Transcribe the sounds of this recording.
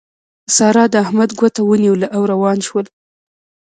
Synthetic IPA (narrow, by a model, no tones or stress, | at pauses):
əsɑɾɑd̪əahmad̪ɡwat̪awəniwlaʔawɾawɑnʃwəl